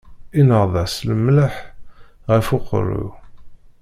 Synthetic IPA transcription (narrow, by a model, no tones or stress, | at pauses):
inəʁðˤəsləmləħʁəfʊqɾṵ